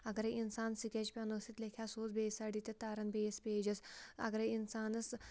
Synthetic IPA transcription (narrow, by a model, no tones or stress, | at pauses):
ɐɡɾɐinsaːnsikʲet͡ʃpʲanosit̪lekʲʰjasoːt͡sbeːsaɖit̪et̪aːɾɐnbeːspʲeːd͡ʒɐsɐ̰ɡɾɐinsaːnɐs